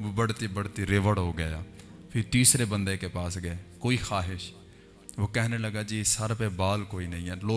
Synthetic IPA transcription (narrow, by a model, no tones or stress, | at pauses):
ʋoːbəɽt̪iːbəɽt̪iːɾeʋəɽɦoːɡəjaːpʰɪɾt̪iːsɾeːbənd̪eːkeːpaːsɡəeːkoːiːxaːɦɪʃ | ʋoːkɛɦneːləɡaːd͡ʒiːsəɾpeːbaːlkoːiːnəɦĩːɛːloː